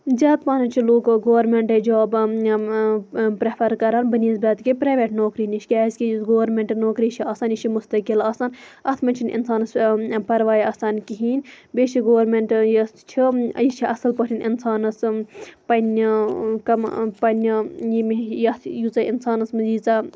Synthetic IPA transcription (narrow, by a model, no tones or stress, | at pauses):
zʲaːt̪paːnɐt͡ʃʰiloːkɡoːʋɐɾmeɳʈed͡ʒaːb | pɾepʰɐɾkɐɾaːnbɐniːzbʲɐːt̪kipɾaːʋeʈnoːkɾiniʃʰʲkʲaːizʲkʲijisɡoːʋɐɾmeɳʈnoːkɾit͡ʃʰiɐːsaːnjit͡ʃʰimust̪ɐkilɐːsanɐt̪ʰmɐt͡ʃʰinḭnsaːnɐspɐɾʋaːjɐːsaːnkiɦiːnʲbʲeːt͡ʃʰiɡoːʋɾmeɳʈjist͡ʃʰijit͡ʃʰiʔɐsɐlpɐʈʰʲinḭnsaːnɐspɐn | kɐmpɐnʲjimijɐt̪ʰjut͡sɐinsaːnɐsmɐziːt͡sa